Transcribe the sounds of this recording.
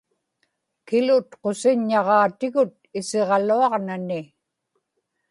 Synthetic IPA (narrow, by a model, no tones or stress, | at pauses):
kɪlʊt̪qosɪɲːɑʁɑːt̪ɪɣʊt̪̚ɪseʁɑluɑʁnanɪ